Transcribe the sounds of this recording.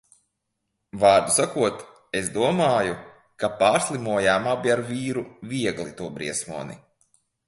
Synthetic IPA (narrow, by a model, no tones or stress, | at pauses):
vaːɾd̪usakuɔt̪ | esd̪uɔmaːju | kapaːɾslˠimuɔjaːmaːbiaɾviːɾuvʲiɛɡlˠit̪uɔbɾḭɛsmuɔnḭ